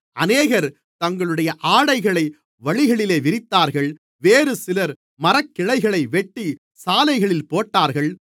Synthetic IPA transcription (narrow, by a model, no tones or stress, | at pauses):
ɐneːɣɐɾ | t̪ɐŋɡɐɭɯɽɐjɐʔaːɽɐɪɣɐɭɐɪ | ʋɐɻɪɣɐɭɪleːʋɪɾɪt̪ːaːɾɣɐɭ | ʋeːɾɯsɪlɐɾ | mɐɾɐkːɪɻɐɪɣɐɭɐɪʋɛʈːi | saːlɐɪɣɐɭɪlpoːʈːaːɾɣɐɭ